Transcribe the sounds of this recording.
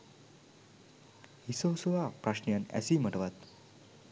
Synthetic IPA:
ɦisəwsuʋapɾaɕɳjanɛ̰siːm̤əʈʋat̪

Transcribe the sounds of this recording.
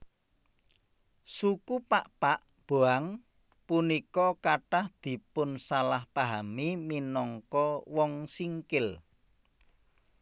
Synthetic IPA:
sukupaʔpaʔ | b̥oaŋ | punikɔkaʈahd̪̥i̤pʊnsalahpaɦamiminɔŋkɔwɔŋsiŋkɪl

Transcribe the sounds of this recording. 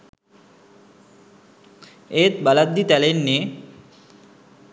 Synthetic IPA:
et̪balad̪ːit̪ɛlenne

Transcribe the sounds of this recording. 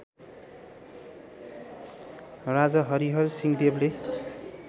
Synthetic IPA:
rad͡zʌɦʌɾiɦʌrsiŋd̪eble

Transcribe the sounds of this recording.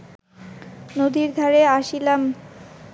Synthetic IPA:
nod̪iɾd̪ʱaɾeaʃilam

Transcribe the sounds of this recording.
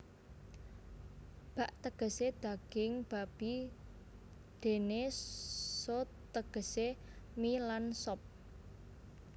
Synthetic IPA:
b̥a̤ʔt̪əɡ̥ə̤sed̪̥a̤ɡ̥ɪŋb̥a̤b̥i | d̪̥e̤ne | sɔ | t̪əɡ̥ə̤semilansɔp̚

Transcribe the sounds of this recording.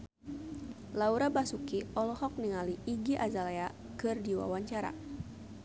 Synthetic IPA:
lauɾabasukiɔlɔhɔk̚niŋaliʔːɡiʔazalea | kɨrdiwa̰waɲt͡ʃaɾa̰

